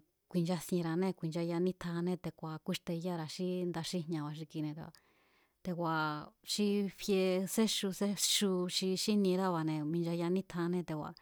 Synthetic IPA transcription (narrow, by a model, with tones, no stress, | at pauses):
kʷi˨nd͡ʒa˧sĩ˧ɾa˧nẽ˦˧kʷi˨nd͡ʒa˧ja˧nĩ˦t̪ʰa˧nẽ˦˧t̪e˧kʷa˨kʷi˦ʂt̪e˧ja˦ɾa˧ʃi˦nd̪a˧ʃi˦ɦɲã˧βa˨ʃ̬i˧ki˧nẽ˧t̪ḛ˧a̰˧˨ | t̪e˧kʷa˨ʃi˦ɸje˧se˦ʃu˧se˦ʃu˧ʃi˧ʃi˦nĩ˧ɾa˦βa˨nẽ˧mĩ˧nd͡ʒa˧ja˧nĩ˦t̪ʰa˧nẽ˦˧t̪e˧˨kʷa̰˨